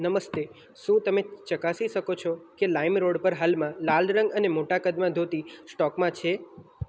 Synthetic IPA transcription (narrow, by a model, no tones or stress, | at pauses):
nəməst̪e | ʃũt̪əmet͡ʃəkasiʃəkot͡ʃʰɔkelaimɾoɽpəɾɦalmãlalɾəŋɡənemoʈakəd̪mãd̪ʱot̪isʈɔkmãt͡ʃʰe